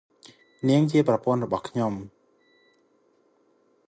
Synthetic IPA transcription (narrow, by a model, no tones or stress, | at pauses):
niəŋt͡ɕiəprɑpʊ̆ənrɔɓɑhkʰɲom